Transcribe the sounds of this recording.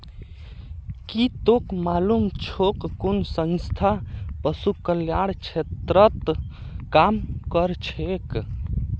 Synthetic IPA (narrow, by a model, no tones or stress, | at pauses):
kit̪okmalumt͡ʃʰokːonsə̃nst̪ʰapəsukəljaɽkt͡ʃʰet̪ɾət̪ | kamkəɾt͡ʃʰek